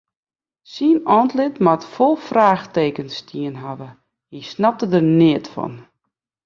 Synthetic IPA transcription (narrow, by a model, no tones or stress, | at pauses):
sinɔntlɪtmatfolˠfraːxteːkənstʰiənɦaʋə | hisnap̚tədərnɪətfɔ̰n